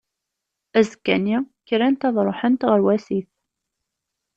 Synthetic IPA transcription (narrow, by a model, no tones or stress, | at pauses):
æzkːæniçɾænt̪ɑðˤɾˤoħənt̪ʁəɾwæsiθ